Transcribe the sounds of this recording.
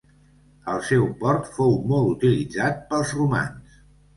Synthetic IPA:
əlˠsɛwpɔɾt̪fowmɔlˠut̪ilid͡zat̪̚pəlˠzruma̰ns

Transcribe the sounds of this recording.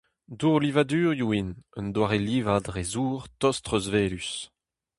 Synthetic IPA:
duʁlivadyːʁjuinœnd̪waʁeliːvad̪ʁezuːʁt̪ɔstʁøzveːlys

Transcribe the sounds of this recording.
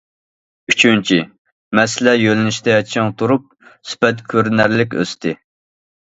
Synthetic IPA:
yt͡ʃʰynt͡ʃʰi | mɛslɛjølɪnɪʃt̪ɛɛt͡ʃʰɪŋt̪ʰuɾup̚sy̥pɛt̪kʲʰøɾnæɾlɪkʲø̰st̪ʰɪ

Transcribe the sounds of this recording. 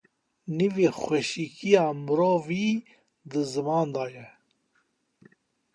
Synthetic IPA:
niveːxʷɛʃikʰijɑːmɨɾoːviː | d̪ɨzɨmɑːnd̪aːjɛ

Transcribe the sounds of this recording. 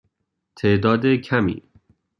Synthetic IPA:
t̪ʰeːʔd̪ɒːd̪ecʰæmḭː

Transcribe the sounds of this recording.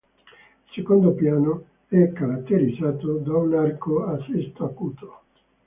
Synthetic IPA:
sekond̪opjaːno | ɛkːaɾat̪ːeɾid̪zaːt̪od̪aunarkoasest̪akuːt̪o̥

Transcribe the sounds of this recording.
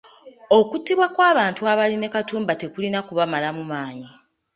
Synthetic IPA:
o̞kutːiβwakwaːβaːntuaβaline̞katuːmbate̞kulinakuβamalamumaːɲi

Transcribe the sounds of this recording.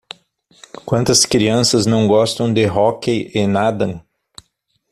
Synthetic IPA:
kwɐ̃nt̪ɐskɾiɐ̃sɐznɐ̃w̃ɡɔst̪ɐ̃w̃d̪ɪɦɔkeʔenad̪ɐ̃

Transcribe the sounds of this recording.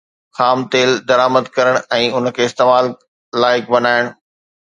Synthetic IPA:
xaːmt̪eːld̪ɐɾaːməd̪kɐɾəɽ̃ɛ̃ːʊnkʰeːɪst̪eːmaːlː | aːɪk̚bɐnaːɪɽ̃

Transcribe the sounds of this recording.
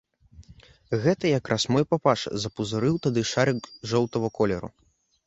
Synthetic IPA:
ɣɛt̪ɐjakrʔasmɔjpapaʂɐ̰zɐpuzuɾɨwt̪ad̪ɨʂaɾɨɡʐɔwt̪ɐvɐkɔlʲɛɾṵ

